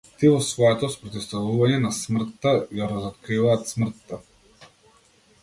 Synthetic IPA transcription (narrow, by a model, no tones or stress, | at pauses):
t̪ivɔsvɔɛt̪ɔspɾɔt̪ist̪avuvaɲɛnasmr̩t̪ːaɡaɾazɔt̪̚kɾivaːt̪smr̩t̪ːa